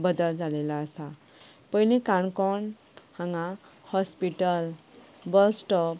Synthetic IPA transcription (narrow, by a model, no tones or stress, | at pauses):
bəd̪əld͡zalelaəsa | pənikãɳkɔɳ | hãŋɡahɔspiʈəl | bəlsʈɔp̚